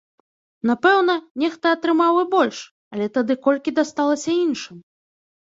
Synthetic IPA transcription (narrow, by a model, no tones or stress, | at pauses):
napɛwnɐnʲɛxt̪ɐɐt̪ɾɨmawɨbɔlʲʂ | ɐlʲɛt̪ad̪ɨkɔlʲkʲid̪ast̪alˠɐsʲɐinʂɨm